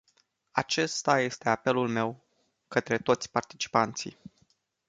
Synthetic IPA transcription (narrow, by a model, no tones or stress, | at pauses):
at͡ʃe̞st̪aje̞st̪eape̞lulme̞w | kət̪ɾe̞t̪o̞t̪sʲpart̪it͡ʃi̥pant̪sḭ